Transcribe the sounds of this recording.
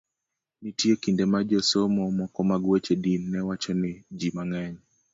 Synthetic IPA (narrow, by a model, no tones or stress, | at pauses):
nitiɔkindɛmad͡ʒɔsɔmɔmɔkɔmaɡuɛt͡ʃɛdinːɛwat͡ʃɔnɛd͡ʒimaŋaɲi